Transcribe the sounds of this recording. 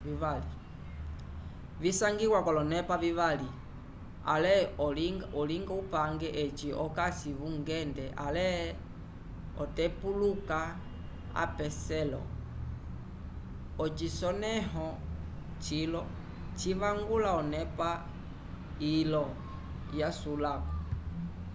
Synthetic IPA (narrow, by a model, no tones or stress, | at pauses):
viβali | visaŋɡiɣwakɔlɔnɛpaviβali | a̰lɛ | ɔliŋɡaupaŋɡɛʔɛt͡ʃiɔkasiβuŋɡɛndɛʔa̰lɛ | ɔtɛpuluka | a̰pɛsɛlɔ̰ | ɔt͡ʃisɔnɛɦɔ | t͡ʃilɔ | t͡ʃiβaŋɡulaɔnɛpa | ilɔ | jasulakɔ